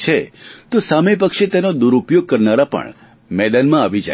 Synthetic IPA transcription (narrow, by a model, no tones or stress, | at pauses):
t͡ʃʰet̪ũsamep̬əkʃet̪enod̪uɾupjoɡ̚kəɾnaɾapə̰ɳ | mɛd̪ənmãaʋid͡ʒa̰